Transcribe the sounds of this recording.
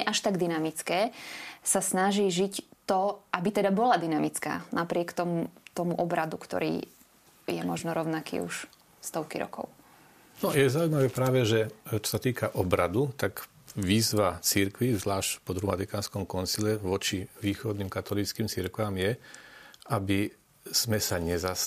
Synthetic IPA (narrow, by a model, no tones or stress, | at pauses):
ɛʔaʃt̪aɡd̪inamit͡skɛːsasnaʒiːʒict̪ɔʔabit̪ɛd̪abɔlad̪inamit͡ska̰ːnʔapɾɪɛkt̪ɔmut̪ɔmuʔɔbɾad̪ukt̪ɔ̰ɾḭː | jɛ̰mɔʒnɔɾɔʊnakḭːṵʃ | st̪ɔʊkiɾɔ̰kɔ̰ʊ | nɔjɛzaːuimaʋɛpɾaːʋɛʒɛt͡ʃɔ̥sat̪iːkaʔɔbɾad̪ut̪aɡ | ʋiːzʋat͡siɾkʋizʋlaːʃcpɔd̪ɾuma̰t̪ikaːnskɔmkɔnsilɛʋɔt͡ʃiʋiːxɔd̪niːmkat̪ɔlit͡skiːmt͡siɾkʋamjɛ | abi | z̥mɛsaɲɛzas